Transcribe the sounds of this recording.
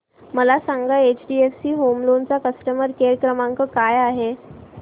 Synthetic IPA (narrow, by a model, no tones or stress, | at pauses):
məlasaŋɡəet͡ɕɖiefsiːɦomlont͡sakəsʈəməɾkeɾkɾəmãŋkəkajaɦe